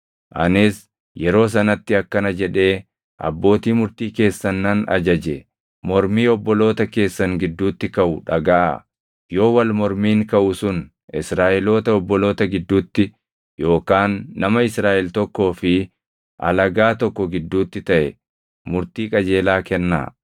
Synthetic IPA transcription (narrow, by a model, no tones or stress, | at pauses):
ʔɐnɪs | jɛɾo̞ːs̬ɐnɐt̪ːɪɐkːɐnɐd͡ʒɛᶑe̞ː | ʔɐ̰bːo̞ːt̪iːmʊɾt̪iːke̞ːsːɐnːɐnɐ̰d͡ʒɐd͡ʒɛ | mɔɾmiːɔbːɔlo̞ːt̪ɐke̞ːsːɐŋɡɪd̪ːuːt̪ːɪkɐʔʊᶑɐɡaːɐ | jo̞ːwɐlmɔɾmiːŋkɐʔʊsʊn | ɪsɾaːʔɛlo̞ːt̪ɐɔbːɔloːt̪ɐɡɪd̪ːuːt̪ːɪ | jo̞ːkaːnːɐmɐɪsɾaːʔɛlt̪ɔkːo̞ːfɪ | ʔɐ̰lɐɡaːt̪ɔkːɔɡɪd̪ːuːt̪ːɪt̪ɐʔɛ | mʊɾt̪iːkʼɐd͡ʒe̞ːlaːkɛnːa̰ː